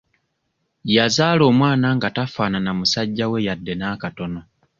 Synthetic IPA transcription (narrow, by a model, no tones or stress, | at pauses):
jazaːlo̞ːmwaːnaŋɡatafaːnanamusaɟːawe̞jadːe̞naːkato̞no̞